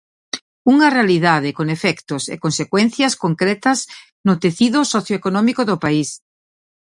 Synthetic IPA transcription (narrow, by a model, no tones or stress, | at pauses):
uŋɐrealiðað̞ɪkoŋefɛkt̪ʊsḛkonsekwɛn̟θjɐskoŋkɾɛt̪ɐs | nʊt̪eθiðʊsɔθjoekonɔmikoðʊpais